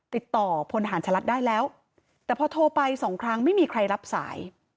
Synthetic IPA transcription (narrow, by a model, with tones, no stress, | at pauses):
t̪i˨˩t̪ːɔː˨˩pʰo˧nʔɦaː˩˦nt͡ɕʰa˧la˦˥t̪̚daː˥˩jlɛː˦˥w | t̪ɛː˨˩pʰɔː˧t̪ʰoː˧pa˧jsɔː˩˦ŋkʰɾa˦˥ŋma˥˩jmiː˧kʰɾa˧jɾa˦˥p̚sa̰ː˩˦j